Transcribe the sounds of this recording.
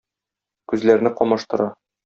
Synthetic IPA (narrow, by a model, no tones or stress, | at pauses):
kʉzlæɾnɘqɒmɑʃt̪ɤ̆ɾɑ